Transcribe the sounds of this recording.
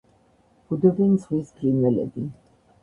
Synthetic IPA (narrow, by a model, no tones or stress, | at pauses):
b̥ud̪ɔbint̪sχwisɡʰlinwɛlɛ̰bi